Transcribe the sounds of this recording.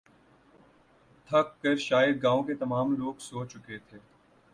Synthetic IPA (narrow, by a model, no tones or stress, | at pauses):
t̪ʰɐkːɐɾʃaːjəd̪̚ɡãːõket̪ɐmaːmloːɡsoːt͡ʃʊket̪ʰeː